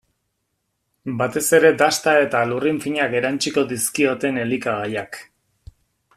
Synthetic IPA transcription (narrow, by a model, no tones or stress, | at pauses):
bat̪e̞se̞ɾe̞d̪ast̪ae̞t̪aluriɱfiɲake̞ɾant͡ʃiko̞d̪iskio̞t̪e̞ne̞likaɣajak